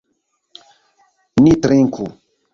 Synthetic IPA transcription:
nitɾiŋkʰṵ

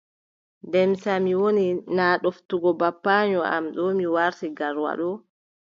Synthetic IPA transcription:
dɛmsamiwoninaːɗoftuɡɔbapːaɲɔa̰mɗɔmiwaɾtiɡaɾwa̰ɗɔ

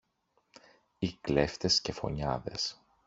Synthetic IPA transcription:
ikle̞ft̪e̞sce̞fo̞̰ɲɐðe̞̰s

